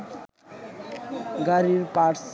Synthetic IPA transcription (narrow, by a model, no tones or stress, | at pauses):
ɡʌɾibpaʈs